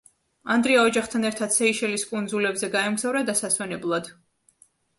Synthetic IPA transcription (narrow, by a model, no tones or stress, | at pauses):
and̪ɾiaɔd͡ʒaχt̪ʰanɛɾt̪ʰad̪̥sɛiʃɛliskʼund̪zulɛbzɛɡaɛmɡzavɾad̪asaswɛnɛblˠad̪̥